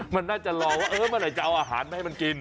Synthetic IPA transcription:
ma˧nːaː˥˩t͡ɕa˨˩lɔː˧waː˥˩ʔɤː˧˩ma˧˨laː˨˩jt͡ɕa˨˧ʔa˧wʔaː˧ɦa̰ː˩˦nma˦hma˧nki˧n

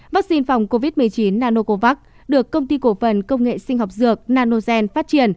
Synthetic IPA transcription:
vaː˦˥k̚si˧nfa˨˩wŋ͡mko˧vi˦˥t̚mɨ˨˩əjt͡ɕi˨˦nːaː˧no˧ko˧va˦˥k̚ | ɗɨ˨˩əkːə˧wŋ͡mt̪i˧ko˧˩fə˨˩nkə˧wŋ͡mŋḛ˧˨sï˧ŋ̟ɦɔ˨˩wk͡p̚zɨ˨˩ək̚naː˧no˧zɛ˧nfaː˦˥t̚t͡ɕi˨˧˩ən

